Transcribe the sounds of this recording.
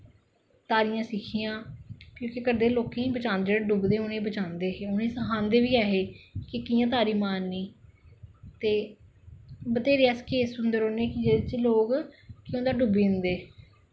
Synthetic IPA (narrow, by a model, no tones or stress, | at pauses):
t̪aːɾijãːsɪkʰiːjãːkjõːkekəɾd̪eːloːkẽːĩbət͡ʃãːnd̪eːɽɖʊbd̪eːʊnẽːbət͡ʃãːnd̪eːɦeːʊnẽːsəɦãːnd̪eːʋiːaːɦeːkɪkijãːt̪̬aːɾiːmaːnːiː | t̪eː | bət̪eːɾːɛːskeːsʊnd̪əɾoːneːkɪd͡ʒet͡ʃloːkkɪõnd̪aːɖʊbiːnd̪eː